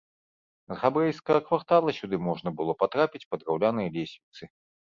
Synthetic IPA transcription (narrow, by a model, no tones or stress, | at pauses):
zɣabɾɛjskɐɣɐkvart̪alˠɐsʲud̪ɨmɔʐnɐbɨlˠɔpat̪ɾapʲit͡sʲpɐd̪ɾawlʲanɐjɐlʲesʲvʲit̪sɨ